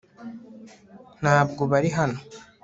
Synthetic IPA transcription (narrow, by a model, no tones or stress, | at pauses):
naːbɡubaɾiɦanu